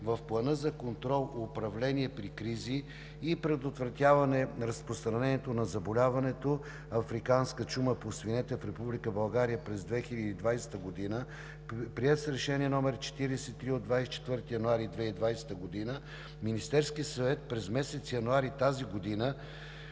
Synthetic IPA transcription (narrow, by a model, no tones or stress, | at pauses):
vɐfplˠɐnɤzɐkont̪ɾɔlˠʊpɾɐvlɛniɛpɾikɾiziː | pɾɛd̪ot̪vɾɐt̪ʲjavɐnɛɾɐspɾost̪ɾɐnɛniɛt̪onɐzɐbolʲavɐnɛt̪o | ɐfɾikanskət͡ʃuməposvinɛt̪ɛfɾɛpublikəbɐlˠɡaɾijəpɾɛzd̪vɛxilʲəd̪iːd̪vajsɛ̥t̪əɡod̪inə | pɾiɛt̪sɾɛʃɛniɛnɔmɛɾt͡ʃɛ̥t̪iɾɛsɛit̪ːɾiod̪vajst͡ʃɛ̥t̪vɤɾt̪ijɐnʊaɾid̪vɛid̪vajsɛ̥t̪əɡod̪inə | minist̪ɛɾskiəsɐvɛt̪̚pɾɛzmɛsɛt̪sijɐnʊaɾit̪aziɡod̪inə